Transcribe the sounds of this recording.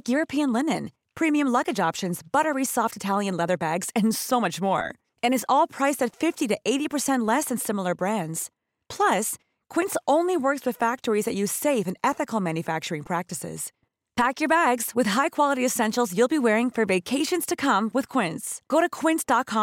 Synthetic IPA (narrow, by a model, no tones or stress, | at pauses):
kjʊɹɨpʰiɨ̃nlɪnɨ̰̃n | pʰɹ̥ĩmiɨ̃mlʌɡɨd͡ʒɑpʃɨ̃nzbʌɾə˞isɔftɨtʰælˠjɨ̃nlɛðə˞bæɡz̥ɨ̃nsoʊmʌt͡ʃmɔ̰ɹ | ɨ̃ñɨzɔlˠpʰɹ̥aɪsɨtfɪftiɾɨʔeɪɾipʰə˞sɛ̃nʔˡlɛsɨ̃nsɪ̃ml̩ˠə˞bɹæ̃ndz̥ | pʰl̥ʌs | kʰw̥ɪ̃nsʔõʊ̃nliwɜ˞kswɨð̥fæk̚tə˞izðɨʔjʉz̥seɪfɨ̃nɛθɨkl̩ˠmæ̃njɨfæk̚t͡ʃə˞ɪ̃ŋpʰɹ̥æk̚tɨsɪ̰z̥ | pʰækjə˞bæɡz̥wɨð̥ɦaɪkʰw̥ɑlˠəɾiɨsɛ̃nʃl̩ˠzjʉlˠbiwɛɹɪ̃ŋfə˞veɪkʰeɪʃɨ̃nz̥tʰɨkʰʌ̃mwɨð̥kʰw̥ɪ̃ntsɡ̥oʊɾɨkʰw̥ɪ̃ntsd̥ɑt̚kʰɑ̃